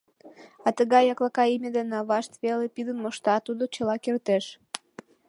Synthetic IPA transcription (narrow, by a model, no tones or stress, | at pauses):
ɑt̪əɣɑjɑklɑkɑimʲed̪enɑβɑʃt̪βelepid̪ənmoʃt̪ɑt̪ud̪ot͡ɕəlɑkert̪eʃ